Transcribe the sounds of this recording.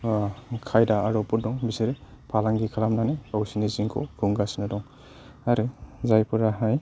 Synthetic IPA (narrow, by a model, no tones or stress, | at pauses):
kʰajdaːɾɔpuɾdɔŋbisiɾe | pʰalaŋɡikʰalamnaneawsiniziŋkʰɔ̰kʰuŋɡasinadɔŋ | aɾizajpuɾaɦaj